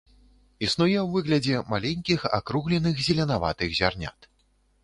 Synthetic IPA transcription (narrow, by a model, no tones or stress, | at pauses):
isnujɛwvɨɣlʲɐd͡zʲɛmalʲenʲkʲixa̰kɾuɣlʲɛnɨxzʲɛlʲɛnava̰t̪ɨɣzʲarnʲa̰t̪